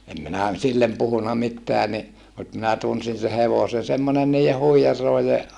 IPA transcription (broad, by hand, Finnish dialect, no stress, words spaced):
em minæ silːem puhunɑ mitːeæ ni mut minæ tunsin se heʋosen̞ semːone niːje huijɑrloˑije